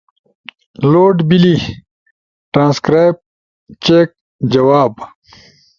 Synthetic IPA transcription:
loːɖbili | ʈɾãːnskɾaːjp̚ | t͡ɕeːk̚ | d͡ʑɐwaːb

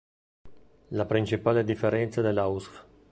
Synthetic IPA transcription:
lapɾint͡ʃipaːled̪ifːeɾɛnt̪sad̪elausk

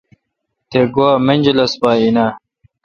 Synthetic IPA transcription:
t̪eɡoamenʲd͡ʑelɐsbaːina

